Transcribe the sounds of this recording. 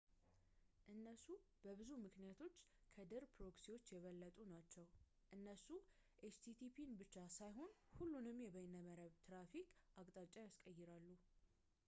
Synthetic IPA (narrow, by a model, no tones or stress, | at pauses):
ʔɨnːəsub̥əβɨzumɨknijat̪ʰo̞t͡ʃːkʰəd̪ɨɾpʰɾo̞ksiwo̞t͡ʃːjɛβəlːət̪ʼunat͡ʃːɛw | ʔɨnːəsu | ʔet͡ʃt̪ʰit̪ʰipʰinbɨt͡ʃːasajɦo̞nhulːunɨmjɛβəjnəməɾəβt̪ʰɾafikʼʔakʼt̪ʼat͡ʃʼːajaskʼəjːɪɾalːu